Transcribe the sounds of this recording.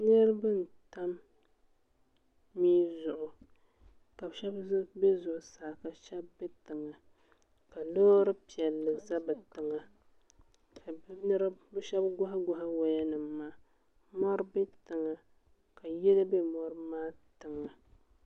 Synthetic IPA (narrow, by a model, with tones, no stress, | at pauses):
nɛ˦ɾɨ˦bɨ˦n̩˨ta˦m | iː˦zʊ˨ʔʊ˨ | ka˨bʃɛ˦bbe˦zʊ˨ʔʊ˨saː˨ka˨ʃɛ˦bːɛ˦tɨ˨ŋa˨ | ka˨lo˦ɾɨ˦pi˨ɛ˨lːɨ˨za˦bɨ˨tɨ˨ŋa˨ | ka˨˦nɨ˦ɾɨ˦bɨ˦ʃɛ˦bɡʊ˦ɦa˦ɡʊ˦ɦa˦wa˨ja˦nɨ˨mːaː˦ | mɔ˦ɾbɛ˦tɨ˨ŋa˨ | ka˨jɛ˦lɨ˦be˦mɔ˦ɾɨ˦maː˦tɨ˨ŋa˨